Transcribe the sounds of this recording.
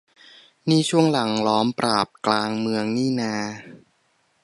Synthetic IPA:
niː˥˩t͡ɕʰu˥˩əŋla˩˦ŋlɔː˦˥mpɾaː˨˩p̚klaː˧ŋmɯ˧əŋniː˥˩naː˧

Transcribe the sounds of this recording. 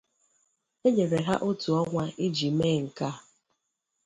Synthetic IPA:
e˦ɲe˨ɾe˨ɦa˦ʔʊ˦tu˨ɔ˦ŋʷa˦ɪ˦d͡ʒi˨me˦˨ŋ̩˨ka˦

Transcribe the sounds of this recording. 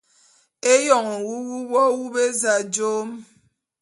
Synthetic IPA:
e˦jɔ˨ŋɔ˨wu˦wu˦wɔ˦wu˦be˦za˨d͡ʒo˦m

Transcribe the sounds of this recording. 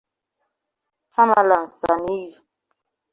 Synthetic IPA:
t͡sa˦ma˦la˨n̩˨sa˨ni˦i˨

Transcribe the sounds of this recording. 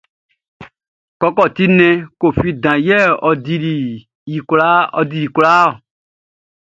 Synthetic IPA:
kɔ˧kɔ˦˨t̪i˦nɛ̃˧ko˨fi˦dã˨jɛ˦˨ɔ˨di˧ɾi˨ | ji˨kla˦ɔ˧di˨˧ɾi˨kla˦ɔ˨

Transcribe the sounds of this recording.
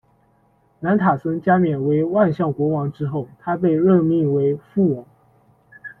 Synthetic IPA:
na˧˥nt̪ʰa˨˩sə˥ŋt͡ɕja˥mjɛ˨˩nwe˧˥ɪwa˥˧nɕjɑ˥˩ŋkwɔ˧˥wɑ˧˥ŋʈ͡ʂɻ̩˥xo˥˩ʊt̪ʰa˥pe˥˧ɪɻɤ˥˧mi˥˩ŋwe˧˥ɪfu˥˩wɑ˨˩˦ŋ

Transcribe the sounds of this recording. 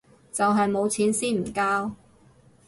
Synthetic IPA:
t͡sɐ˨wɦɐ˨jmo˨˧wt͡sʰiː˨˥nsiː˥nm̩˨˩kaː˥w

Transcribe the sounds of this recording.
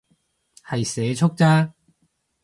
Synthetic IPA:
hɐ˨jsɛː˨˧˦t͡ʃʰʊ˥k̚t͡saː˥

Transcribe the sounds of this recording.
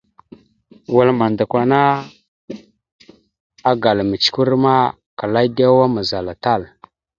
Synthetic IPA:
wa˨lma˨nda˨kʷa˨na˦ | a˦ɡa˨lmə˨t͡ʃku˦ɾma˦ | ka˨la˦ɡa˦wa˦ma˨za˨la˨ta˦˨l

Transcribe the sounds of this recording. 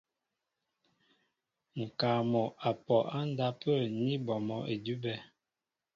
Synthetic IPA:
ŋ̩˨ka˨mɔ˨ʔa˨pɔ˨ʔa˦n˦da˦pə˦˨ni˦bɔ˨mɔ˨ʔe˨du˦bɛ˦

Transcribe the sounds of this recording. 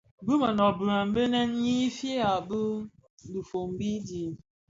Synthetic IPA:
bɨ˦ma˨nɔ˨bu˨ɾa˨m̩˨˦be˦nɛ˦n˦ɲi˦fe˦a˨bɨ˦˨ | du˨fo˨m̩˨˦bi˦di˨

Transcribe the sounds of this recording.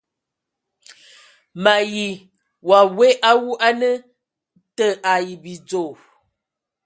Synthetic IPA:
ma˨ji˨ | wa˨we˦ʔa˦wu˦ʔa˦nə˦ | tə˦ʔa˨ji˨bi˨d͡zo˨

